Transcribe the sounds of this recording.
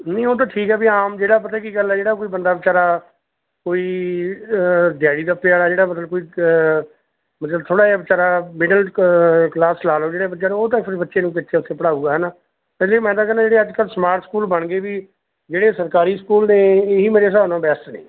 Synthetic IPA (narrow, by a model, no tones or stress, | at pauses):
nəĩoːt̪̬ãːʈʰiːkɦɛːbiːaːmd͡ʒeːɽaːp̬ət̪ʰɛːkiːɡəlɛːd͡ʒeːɽaːkoːiːbənd̪aːbɪt͡ʃaːɾaː | koːiː | d̪ɪjaːɽiːd̪aːpɪjaːɽaːd͡ʒeːɽaːmət̪ləbkoːiː | mət̪ləb̚t̪ʰoːɽaːaːbɪt͡ʃaːɾaːmɪɖəlklaːslaːloːd͡ʒeːɽeːbəːʃeːoːt̪ãːpʰɪɾbətːʃeːnũːkɪtːʃʰeːʊt̪ʰːeːpəɽaːuːɡaːɦɛnaː | pɪsleːimɛ̃ːd̪ãːk̬əɾnãːd͡ʒeːɽeːəd͡ʒkəlsmaːɾʈskuːlbəɳɡeːbiː | d͡ʒeːɽeːsəɾkaːɾiːskuːlneːeːɦiːmeːɾeːs̬aːnãːbɛːst̪nḛ̃ː